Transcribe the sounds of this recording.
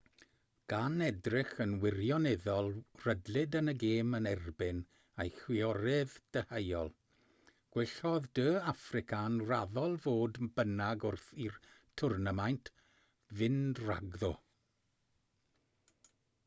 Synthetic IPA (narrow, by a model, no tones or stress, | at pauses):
ɡ̥anɛdrɪχənwɪrjɔnɛðɔlˠrədlˠɪdənəɡeːmənɛrbɪn | ejxwɪɔɾɪðd̥əhejɔlˠ | ɡ̥wɪɬɔðdəːafrɪkʰanraðɔlˠvoːdbənaɡʊrθirtʰʊrnəmajntʰ | vɪndra̰ɡðɔ